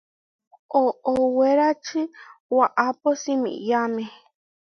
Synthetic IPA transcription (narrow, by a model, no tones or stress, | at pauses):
ooweɾat͡ʃʰɨwaʔaposimḭjamẽ